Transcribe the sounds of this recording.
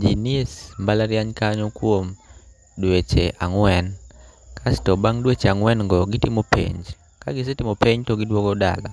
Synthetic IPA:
d͡ʒiniesmbalaɾjaɲkaɲokwom | dwet͡ʃeʔaŋwɛnkʰastɔbaŋdwet͡ʃeaŋwɛnŋɡɔɡɪtɪmopʰḛɲd͡ʒ | ka̰ɡɪs̬etɪmopeɲtɔɡɪdwɔɡɔda̰la̰

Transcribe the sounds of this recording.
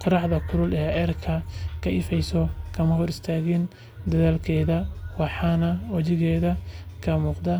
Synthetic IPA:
qɑɾɑħðɐkʰʊɾʊlɛːɛːrkʰɐkʰɐɪfɛjsɔkʰɐmɐhɔɾɪst̪ʰaːɣɪn | d̪ɐðaːlkʰɛːðɐwɑħɑːnɐwɑt͡ʃɪɣɛːðɐkʰɐmuːqd̪ɐ

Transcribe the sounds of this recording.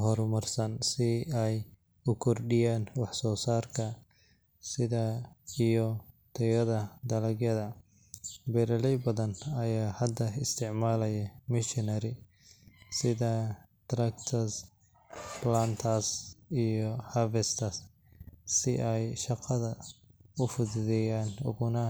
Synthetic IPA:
ɦɔɾmɐrsɐnsɪɛj | ʊkʰɔrɖɪjaːnwɑħsɔːsaːrkʰɐ | sɪðɐijɔ | t̪ʰɛwɐðɐd̪ɐlɐɡjɐðɐ | bɛɾɐlɛjbɐðɐnɐjaːhɐd̪ɐɪst̪ʰɪʕmaːlɐjɐmɪʃɪnɐɾɪ | sɪðɐ | t̪ɾɐkt̪ʰɐs | plaːnt̪ʰɐsijɔhafɛst̪ʰɐs | sɪʔɛjʃɑqɑðɐʊfʊððɛjaːnʊ̰ɣʊnɐ

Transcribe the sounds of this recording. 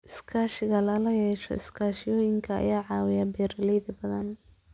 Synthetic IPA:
ʔɪskʰaːʃɪɣɐlɐlɐjɛːʃɔ̰ɪ̰skʰaːʃɪjɔːjɪŋkʰɐɐ̰jaːʕɑːwɪjɐbɛːɾɐlɛjðɐbɐðɐn

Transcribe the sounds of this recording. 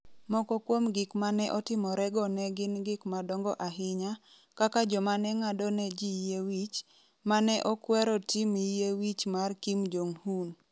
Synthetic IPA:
mɔkɔkwomɡɪkmanɛʔɔtɪmɔɾɛɡɔnɛɡɪnɡɪkmadɔŋɡɔʔaɦɪɲa | kakad͡ʒɔmanɛŋadɔnɛd͡ʒijewit͡ʃ | manɛʔɔkwɛɾɔtimijewit͡ʃmarkimd͡ʒoŋhun

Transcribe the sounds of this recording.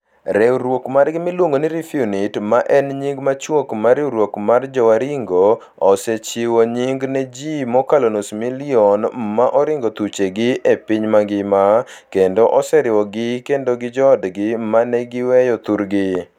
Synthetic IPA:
ɾɛɾwokmarɡɪmɪlwoŋɡonɪɾifiunitmaʔɛnɲiŋɡmat͡ʃwokmaɾɪɾwokmard͡ʒɔwaɾiŋɡoː | sɛt͡ʃɪwɔɲiŋɡnɛd͡ʒimɔkalonosmiliɔnmaʔɔɾɪŋɡot̪ut͡ʃeɡɪʔepiɲmaɡɪmakendɔʔɔsɛɾɪwɔɡɪkendoɡɪd͡ʒɔːdɡɪmanɛɡɪwɛjɔt̪uɾɡɪ

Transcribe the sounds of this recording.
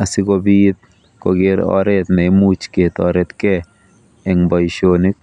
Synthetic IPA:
asɪkobit̪̚ | ko̰ɡɪɾɔ̰ɾɛt̪nɛmut͡ʃket̪ɔɾɛt̪kɛ | ɛŋbɔjʃonik̚

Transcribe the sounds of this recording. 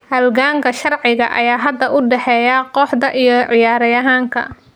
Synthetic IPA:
hɐlɣaːŋkʰɐʃɐrʕɪɣɐ̰ʔɐ̰jaːɦɐd̪ːɐʔʊɖɛħɛːjaqɔħd̪ɐʔijɔʕɪjaːɾɐjɐɦaːŋkʰɐ̰

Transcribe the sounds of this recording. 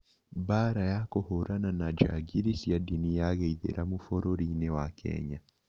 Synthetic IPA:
baɾajakohoɾananad͡ʒa̰ɡiɾisiadinijaɣeiðḛɾʔamufɔɾoɾinewakʰɛ̰ɲa

